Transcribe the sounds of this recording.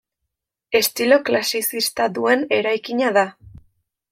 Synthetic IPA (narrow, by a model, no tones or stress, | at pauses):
e̞st̪ilo̞klasisist̪aðue̞ne̞ɾajkiɲaða